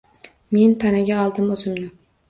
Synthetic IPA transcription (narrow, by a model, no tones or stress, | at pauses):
me̞npʰanaɡʲaɒlˠd̪ɪmɵzɪmnɪ